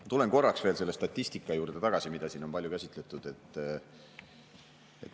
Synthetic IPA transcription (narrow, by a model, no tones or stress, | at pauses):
t̪ule̞nko̞rːɑksv̥e̞ːlse̞lːest̪ɑt̪ʲːisʲt̪ikːˑɑjuːɾd̪̥e̞t̪ɑɡ̥ɑsimid̪̥ɑsiːno̞npɑlʲjukæsit̪ˑle̞t̪ˑud̪̥e̞t̪ːˑ | ḛt̪